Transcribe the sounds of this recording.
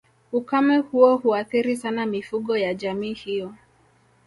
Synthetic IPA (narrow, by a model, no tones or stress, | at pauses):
ukamɛhuɔhuaθiɾisanamifuɠɔjaʄamiːhijɔ